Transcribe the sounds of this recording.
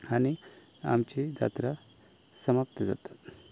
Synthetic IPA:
añi | a̰mt͡ɕid͡za̰t̪ɾa | səmap̚t̪əd͡za̰t̪ḁt̪

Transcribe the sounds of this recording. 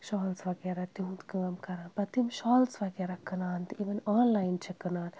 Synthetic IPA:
ʃaːlsʋɐɡɛɾɐt̪iũt̪kɨɐmkɐɾaːnpɐt̪imʃaːlsʋɐɡeɾɐkɨnaːnt̪iʋɐnaːnlaːjnt͡ʃʰɐkɨnaːn

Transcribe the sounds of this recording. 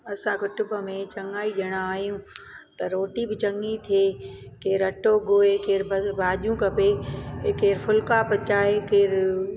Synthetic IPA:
ɐsãkʊʈʊbəmẽt͡ʃɐŋaːiɗɐɽ̃aaːɦijũt̪ɐɾoːʈibɪt͡ɕɐŋit̪ʰieː | keːɾɐʈoɡoːekeːɾbbʱaːʄjũkɐpekeːɾfʰʊlkapɐt͡ɕaːɦekeːɾ

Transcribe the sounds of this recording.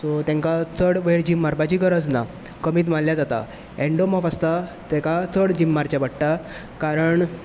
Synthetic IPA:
sɔt̪jɛ̃ŋkat͡səɽʋeɽd͡ʑimːaɾpat͡ɕiːkəɾəd͡zna̰ | kəmiːt̪manljad͡zat̪a̰ | ɛɳɖomɔfast̪at̪ɛkat͡səɽd͡ʑimːaɾt͡ɕabəɽʈ̪a | kaɾəɳ

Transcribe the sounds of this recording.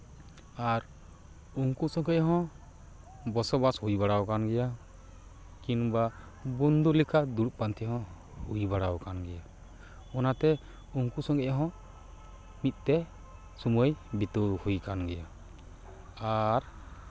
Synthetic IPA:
aɾ | uŋkusɔŋɡɛʔɦɔ̃ | bɔsɔbashujbaɽawkanɡɛja | kinba | bund̪ulikʰad̪uɽuʔ̚pant̪ʰiɦɔ̃ | hujbaɽawkanɡɛja | ɔnat̪ɛ | uŋkusɔŋɡɛʔɦɔ̃ | mit̪̚ˀt̪ɛ | sumujbit̪ɔhujkanɡɛja | ɾ

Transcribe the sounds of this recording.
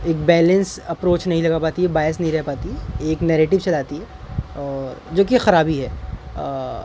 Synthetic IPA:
eːk̚bɛːlə̃nsɐpɾoːt͡ʃnɐɦĩlɐɡapaːt̪iɛbaːjəsnɐɦĩɾɛɦpaːt̪iɦɛeːknɛːɾeːʈɪʋsɛlaːt̪iɦɛ | ɔːɾd͡ʒoːk̬iexɐɾaːbiɦɛː

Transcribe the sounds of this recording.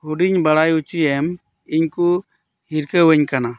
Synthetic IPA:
huɖiɲbaɽajut͡ʃiɛm | iɲku | hiɾkəwɛɲkana

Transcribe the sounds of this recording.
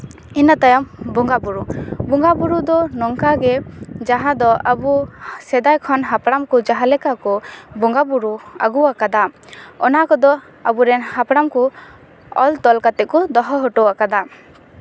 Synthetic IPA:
inat̪ajambɔŋɡabuɾubuŋɡabuɾud̪ɔnɔŋkaɡɛd͡ʒaɦãd̪ɔabusɛd̪ajkʰɔnɦapɽamkud͡ʒaɦalɛkakɔbɔŋɡabuɾua̰ɡuwakad̪aɔ̰nakɔd̪ɔ | a̰buɾɛnhapɽamku | ɔ̰lt̪ɔlkat̪ɛʔkɔd̪ɔɦɔɦɔʈɔwakad̪a

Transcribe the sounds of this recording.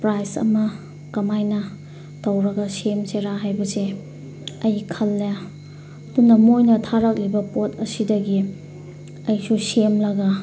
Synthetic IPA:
pɾajsɐ̰mɐ | kɐmajnɐ | tɐwɾɐɡɐsemseɾaɦajbɐse | ɐjkʰɐlːa | dunɐmojnɐtʰaɾɐk̚libɐpotɐsidɐɡi | ɐjsusemlɐɡɐ

